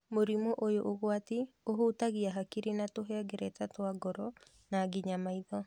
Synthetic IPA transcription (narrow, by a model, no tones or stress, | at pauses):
moɾimoʔojoʔoɣwatioɦotaɣiaɦakiɾinatoɦɛɡɛɾɛtatwaɡɔɾɔ | naɡiɲamaiðɔ